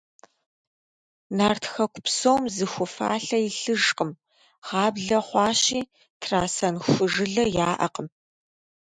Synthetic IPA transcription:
naːrtʰxɐkʷʊpsowmzɨxʷʊfa̰ːɬɐjɪɬɨʒqəm | ʁɑːbɮɐχʷɑːɕiː | tʰraːsɐnxʷʊʒɨɮɐjaːʔɐ̰qəm

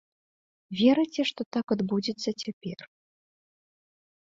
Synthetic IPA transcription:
vʲɛɾɨt͡sʲɛʂt̪ɔt̪akad̪bud͡zʲit̪sːɐt͡sʲapʲɛr

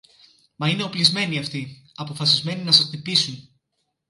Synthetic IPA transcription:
mɐine̞o̞plizme̞niɐft̪i | ɐpo̞fɐsizme̞ninɐsɐst̪ipisun

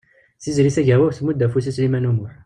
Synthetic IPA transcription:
θizɾiθæʝæwæwθmud̪ːæfusislimænumuħ

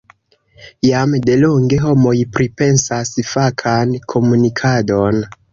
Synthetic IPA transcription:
jamde̞loŋɡe̞ɦo̞mo̞jpɾipe̞nsasfakʰankʰo̞munikʰado̞n

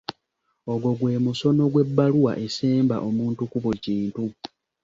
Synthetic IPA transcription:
o̞ɡo̞ɡwe̞ːmuso̞no̞ɡwe̞bːaluwa̰ʔe̞seːmba̰ʔo̞muːntukuβuciːntu

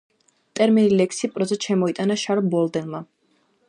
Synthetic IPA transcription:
t̪ʼɛɾminilɛksipʼɾɔzɛt̪ʃɛmɔit̪ʼanaʃaɾbɔld̪ɛnma

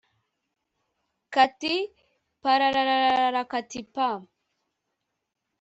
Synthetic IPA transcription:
kati | paɾaɾaɾaɾaɾɾaɾakat̪ipa

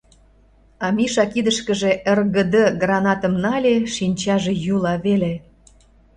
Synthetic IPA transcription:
ɑmiʃɑkid̪əʃkə̆ʒe̽ʔerɣə̆d̪əɡrɑnɑt̪ə̆mnɑlʲeʃinʲt͡ɕɑʒejulɑβele

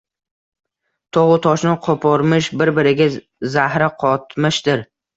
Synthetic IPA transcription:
t̪ʰoʁʊt̪ʰɒʃnɪqʰopʰɒɾmɪʃbɪɾbɪɾɪɡʲa | zahɾɪqʰɒt̪mɪʃd̪̥ɪɾ

